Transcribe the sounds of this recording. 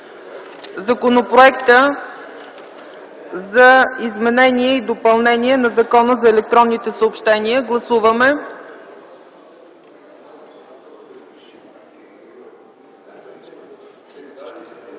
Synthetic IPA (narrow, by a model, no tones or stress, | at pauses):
zɐkonopɾoɛkt̪ə | zɐizmɛnɛniɛid̪opɐlˠnɛniɛnɐzɐkɔnəzɐɛlɛk̚t̪ɾɔnːit̪ɛsəopʃt̪ɛniəɡlˠɐsuvəmɛ